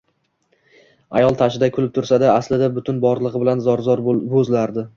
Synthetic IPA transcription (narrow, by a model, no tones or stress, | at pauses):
a̰jɒlˠt̪ʰaʃɪd̪akʲʰʊlɪp̚t̪ʰʊɾsad̪aːslɪd̪abʊt̪ʰʊnbɒɾlˠɨʁɨbɪlanzɒɾzɒɾbɵzlaɾd̪ɪ